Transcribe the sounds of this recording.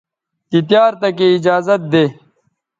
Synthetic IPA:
t̪it̪̬jaːɾt̪ɐkeɪd͡ʑaːzɐt̪̚d̪eː

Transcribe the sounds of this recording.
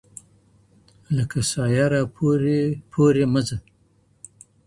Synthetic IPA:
ləkasɑjaɾapʰoɾepʰoɾeməza

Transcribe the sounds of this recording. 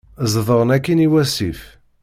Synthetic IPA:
zˤðˤəɾˤənækːiniwæsif

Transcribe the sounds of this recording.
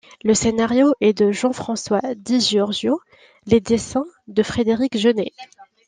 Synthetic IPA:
ləsenaʁjoʔɛd̪əʒɑ̃fχɑ̃swad̪iʒeɔʁʒjo | led̪esɛ̃d̪əfχed̪eʁikʒəne

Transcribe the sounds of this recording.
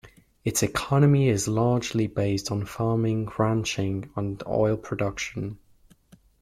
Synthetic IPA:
ɪtsɪkʰɒnəmiɪzlɑːd͡ʒlibeɪstn̩fɑːmɪ̃ŋɹãnt͡ʃɪ̃ŋə̃nɔ̰ɪlˠpʰɹ̥ədʌkʃə̃n

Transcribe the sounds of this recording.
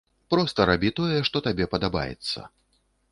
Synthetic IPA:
pɾɔst̪ɐɾabʲit̪ɔjɛʂt̪ɔt̪abʲɛpɐd̪aba̰jɛ̰t̪sːɐ̰

